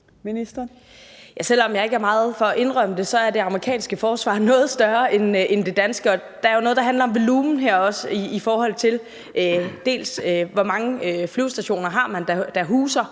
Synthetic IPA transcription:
minisd̥ɐ | jæsel̰ɒ̽mjɑ̈ɪe̝ɡ̥æɐmɑ̈ːð̞̩ˠfɒ̽ʔe̝nʁœm̰əd̥e̝sɒ̽æɐd̥e̝ɑ̈məʁikʰɛ̰ːnsɡ̥əfɒːsʋɑ̰̈nɔ̽ːð̩ˠsd̥ɶɐʔenend̥e̝d̥ænsɡ̥əɒ̽ | d̥ɑ̈æɐjo̝nɔ̽ðˠd̥ɦænlɐɒ̽mʋo̝luːmn̩ɦeɐ̰ɒ̽siːfɒːhɒ̽l̰t͡sʰe̝l | ʔød̥e̝̰ːlsøʋɒmɑ̈ŋəøflyʊsd̥æɕo̝̰ːnɐɦɑ̈ːmænd̥æd̥æɦuːsɐ

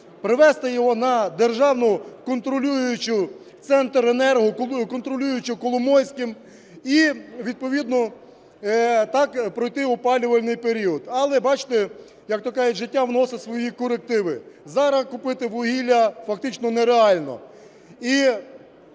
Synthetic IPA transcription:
pɾɪʋɛst̪ɪjɔɦɔnɐd̪erʒɑwnɔkɔnt̪ɾɔlʲujʊjʊt͡ʃʊ | t̪sɛnt̪ɾenɛrɦʊkɔnt̪ɾɔlʲujʊt͡ʃɪkɔlˠʊmɔjsʲkɪm | iʋʲid̪̚pɔʋʲid̪nɔ | t̪ɑkpɾɔjt̪ɪʊpɑlʲʊʋɐlʲnɪjpeɾʲiɔd̪ɐlˠɛbɑt͡ʃɪ̥t̪e | jɐkt̪ɔkɑjɛʒɪtʲːaʋnɔsɪsʋɔjikɔɾek̚t̪ɪʋɪzɑɾɐkʊpɪt̪ɪʋʊɦʲilʲːɐfɐkt̪ɪt͡ʃnɔnɛɾeɑlʲnɔ̰ | i

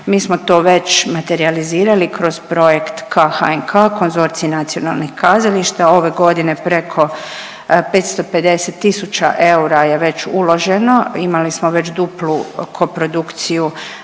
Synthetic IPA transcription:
miːsmo̞t̪o̞ːʋe̞t͡ɕmat̪e̞ɾializiːɾalikɾo̞zpɾo̞je̞kt̪kʰaxa̰enkʰaːko̞nzo̞ɾt̪siinat̪sio̞na̰lˠnixkazaliʃt̪ao̞ʋe̞ɡo̞d̪ine̞pɾe̞kʰo̞ | pe̞t̪st̪o̞pe̞d̪e̞set̪ːisut͡ʃa̰ʔe̞uɾaje̞ʋe̞t͡ɕulo̞ʒe̞no̞imalismo̞ʋe̞t͡ʃd̪uplukʰo̞pɾo̞d̪ukt̪siju

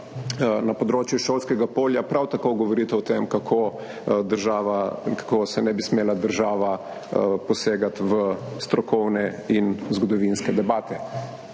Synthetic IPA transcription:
nɐpɔd̪ɾoːt͡ʃjuʃoːlskɛɡapoːljapɾawt̪akoɡɔʋɔɾit̪ɛɔt̪emkakʰo | d̪əɾʒaːʋakḁkosɛnɛbismeːlad̪əɾʒaːʋa | pɔseːɡat̪ʋəst̪ɾɔkɔwnɛinzɡɔd̪ɔʋinskɛd̪ɛbaːt̪ʰɛ

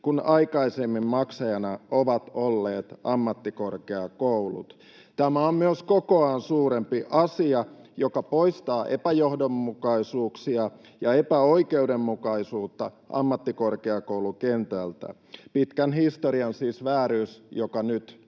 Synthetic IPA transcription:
kunɑikɑisemːimmɑksɑjɑnɑʔoʋɑt̪olːeːt̪ɑmːɑt̪ːikorkeɑkoulṵt̪ | t̪æmæommyøskokoɑːnsuːɾempiʔɑsiɑjokɑpoist̪ɑːʔḛpæjohdomːukɑisuːksiɑ | jɑepæoikeudemːukɑisuːt̪ːɑ | ʔɑ̰mːɑt̪ːikorkeɑkoulukent̪ælt̪æ̰ | pit̪kænhist̪oɾiɑnsiːsʋæːɾyːsjokɑnyt̪

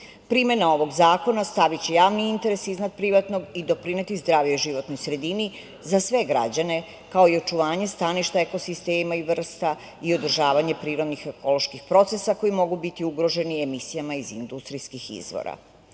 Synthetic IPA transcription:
pɾime̞nao̞ʋo̞ɡzaːko̞nast̪aʋit͡ɕejaːʋniint̪e̞ɾe̞siznad̪pɾiʋat̪noɡid̪o̞pɾine̞t̪izd̪ɾaːʋjoiʒiʋo̞t̪nojsɾe̞d̪ini | zasʋe̞ɡɾa̰d͡ʑane̞ | kao̞io̞t͡ʃuʋaːɲe̞st̪aniʃt̪aeko̞sist̪eːmaiʋr̩st̪a | io̞d̪r̩ʒaːʋaɲe̞pɾiːɾo̞d̪nixe̞ko̞lˠo̞ʃkixpɾo̞t̪se̞sako̞jimo̞ɡubit̪iuɡɾo̞ʒe̞niemisijamaizind̪ust̪ɾijskixḭzʋo̰ɾa̰

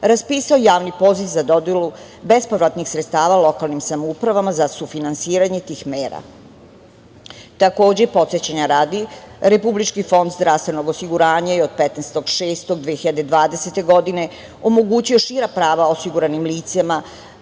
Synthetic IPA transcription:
ɾaspiːsaojaːʋnipo̞ziʋzad̪o̞d̪elu | bespoʋɾat̪nixsɾet̪st̪aːʋalˠo̞kalˠnimsamoupɾaʋamazasufinansiːɾaɲe̞t̪iːxmeːɾa̰ | t̪ako̞ːd͡ʑepo̞t̪set͡ɕaɲaɾaːd̪iɾepublit͡ʃkifo̞nd̪zd̪ɾaːvst̪ʋe̞no̞ɡosiɡuɾaːɲajeod̪̚pet̪nest̪o̞ɡʃeːst̪oɡd̪ʋexiʎad̪e̞d̪ʋaːd̪e̞set̪e̞ɡo̞d̪ine̞ | o̞mo̞ɡuːt͡ɕio̞ʃiːɾapɾaːʋaosiɡuɾanimliːt̪sama

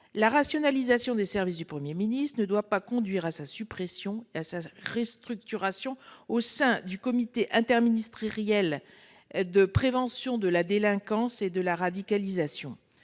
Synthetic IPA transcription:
laʁasjɔnalizasjɔ̃d̪esɛʁvis̬d̪ypχəmjeminist̪χənəd̪wapakɔ̃d̪ɥiʁasasypχesjɔ̃easaʁest̪χyk̚t̪yʁasjɔ̃osɛ̃d̪ykɔmit̪eʔɛ̃t̪ɛʁminist̪χʁjɛl | d̪əpχevɑ̃sjɔ̃d̪əlad̪elɛ̃kɑ̃sed̪əlaʁad̪ikalizasjɔ̃

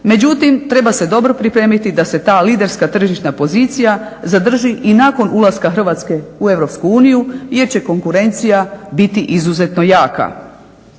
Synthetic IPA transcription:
me̞d͡ʑut̪imt̪ɾe̞base̞d̪o̞bɾo̞pɾipɾe̞ːmit̪id̪ase̞t̪aːliːd̪e̞ɾskat̪r̩ʒiʃt̪napo̞zit̪sijazad̪r̩ʒiʔinako̞nʔulaskaxr̩ʋat̪ske̞ue̞ʋɾopskuuːnijuje̞ɾt͡ɕe̞ko̞ŋkuɾe̞nt̪sijabit̪iʔizuze̞t̪no̞jaːka̰

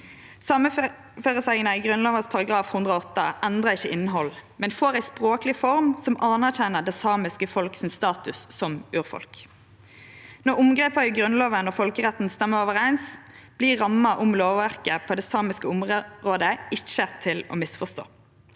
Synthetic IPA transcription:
sɑːmə | føːʁəsæɪɡənəiːɡʁʉnlɑːʋəspʰɑʁɑɡʁɑːfhʉnd̪ʁəɔɔt̪ːəʔɛnd̪ʁɑɪçːəɪnːəɦɔlmɛnfoːʁæɪspʁoːklɪfɔʁmsɔmɑnæʁc͡çɛnəʁd̪ɛsɑːmɪskəfɔlksɪmst̪ɑːt̪ʉsːɔmʉːʁfɔ̰lk | nɔʁʊmɡʁeːpəiɡʁʉnloːʋənɔfɔlkəʁɛt̪n̩st̪ɛmːəoːʋəʁæɪns | b̥liːʁːɑmːɑʔʊmloːʋʋæʁkəpʰoːd̪ɛːsɑːmɪskəʊmʁoːd̪əɪçːət̪ʰɪlɔ̰ːmɪsfɔst̪o̰ː

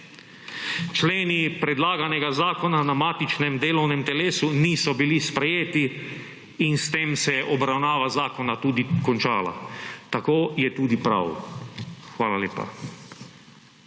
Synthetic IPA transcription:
t͡ʃleːnipɾɛd̪laːɡanɛɡazaːkɔnanamaːt̪it͡ʃnɛmd̪eːlɔwnɛmt̪ɛleːsuniːsɔbilispɾɛjeːt̪iː | nst̪eːmsɛjɛʔɔbɾawnaːʋazaːkɔnat̪uːd̪ikɔnt͡ʃaːla̰t̪akoːjɛt̪uːd̪ipɾa̰w | xʋaːlaljḛːpa̰

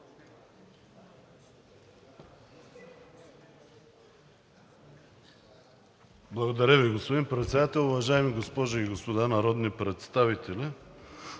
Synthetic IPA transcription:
blˠɐɡod̪ɐɾʲaviɡospod̪inpɾɛt̪sɛd̪at̪ɛlˠʊvaʒaɛmiɡospɔʒoiɡospod̪anaɾɔd̪nipɾɛt̪st̪avit̪ɛlʲi

